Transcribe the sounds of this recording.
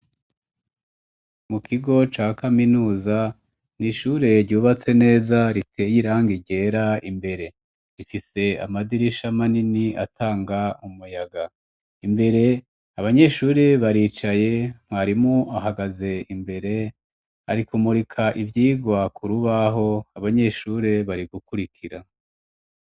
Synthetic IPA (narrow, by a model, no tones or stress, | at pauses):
mukiɡo̞t͡ʃaːkaminuːza | niʃuːɾe̞ɾɟuːβat͡se̞ne̞ːzaɾitʰe̞jiɾaŋɡiɟe̞ɾaimbe̞ɾe̞ | ɾifise̞a̰madiɾiʃamaninia̰tʰaːŋɡaumujaɡa | imbe̞ɾe̞ | aβaɲe̞ʃuːɾe̞βaɾiːt͡ʃaje̞m̥waɾimuaɦaɡaze̞imbe̞ɾe̞ | aɾikumuɾikʰaʔivjiːɡwakuɾuβaɦo̞aβaɲe̞ʃuːɾe̞βaɾiɡukuɾikʰiɾa